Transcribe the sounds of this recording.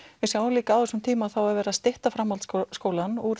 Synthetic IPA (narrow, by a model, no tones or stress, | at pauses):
vɪsjawliːkaawðɛsʏmt̪ʰiːmaːðθawaðvɛːɾaðst̪ɪht̪afɾamhalskoːwlanuɾ